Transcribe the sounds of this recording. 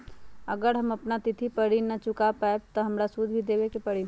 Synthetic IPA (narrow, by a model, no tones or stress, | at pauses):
əɡəɾɦɐmɐpnat̪ɪt̪ʰipəɽinɐt͡ʃʊkapaeb̚t̪ɔɦɐmɾasud̪ʱbʱid̪eːwekepəɽi